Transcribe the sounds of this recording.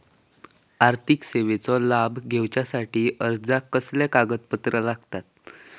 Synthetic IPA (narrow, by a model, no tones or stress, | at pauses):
aɾt̪ʰikseʋet͡sɔlabɡʱewt͡ɕjasaʈiːʔəɾd͡zakəslekaɡət̪̚pət̪ɾəlaɡt̪at̪̚